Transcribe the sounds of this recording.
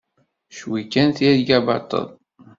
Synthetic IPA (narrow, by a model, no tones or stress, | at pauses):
ʃwikːænθiðɡæbɑ̰ɾt̪ˤːə̰ðˤ